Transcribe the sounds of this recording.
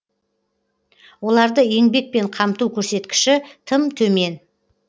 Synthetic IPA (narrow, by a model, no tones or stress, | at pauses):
wo̞lˠɑɾd̪əe̞ŋbe̞k̚pe̞ɴqʰɑmt̪uwkʲʰɵɾse̞t̪kʲɪ̥ʃɪt̪ʰəmt̪ʰɵme̞n